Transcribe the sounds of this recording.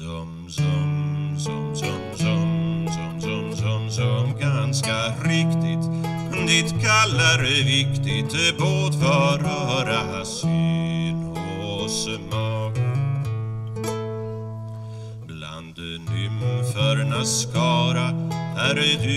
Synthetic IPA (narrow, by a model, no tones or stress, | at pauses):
dɔm | sɔmsɔmsɔmsɔmsɔmsɔmsɔmsɔmɡanskaɾɪkt̪ɪt̪ | nɪt̪kʰalːaɾɛvɪkt̪ɪt̪əboːd̪fœɾɔɾaasenosəmɑːɡ | bla̰nd̪ | nʏmfœɾnaskɑːɾahæɾd̪ʉ